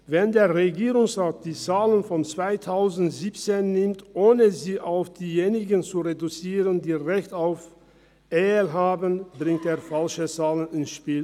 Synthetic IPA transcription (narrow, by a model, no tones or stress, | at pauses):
vɛndeːɐʁeɡiːʁʊŋsʁaːt̚d̥iːt͡saːlənfɔnt͡sv̥aɪtʰaʊzn̩tz̥iːpt͡seːnːɪmtʔoːnəziːʔaʊfd̥iːjeːnɪɡənt͡suʁedut͡siːʁəndiːʁɛçtaʊf | ʔeːlɦaːbənbʁɪŋteːɐfalʃət͡saːlənɪnsʃpiːl